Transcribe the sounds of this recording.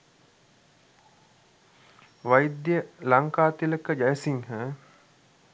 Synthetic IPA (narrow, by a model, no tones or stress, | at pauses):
ʋajid̪jəlaŋkaːt̪iləkəd͡ʒæjəsiŋhə